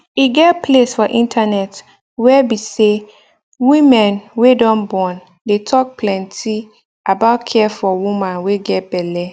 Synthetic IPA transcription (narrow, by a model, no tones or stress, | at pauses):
iɡɛtpʰlesfɔʔĩntʰanɛt | wɛbise | wĩmɛ̃nwedɔ̃nbɔ̃n | detʰɔk̚pʰlɛ̃ntʰi | abaʊtkʰɛfɔwũmãnweɡɛt̚b̥ɛlɛ